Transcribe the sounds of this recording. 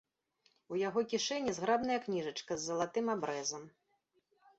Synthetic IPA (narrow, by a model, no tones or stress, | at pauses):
ujaɣɔkʲiʂɛnʲːizɣɾabnɐjɐknʲiʐɐt͡ʂkɐzːɐlˠat̪ɨmabɾɛzɐm